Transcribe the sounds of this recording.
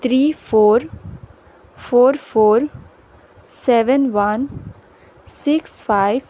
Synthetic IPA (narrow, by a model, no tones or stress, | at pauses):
t̪ʰɾiːfoːɾ | foːɾfoːɾ | sɛʋənʋan | sɪksfaɪʋ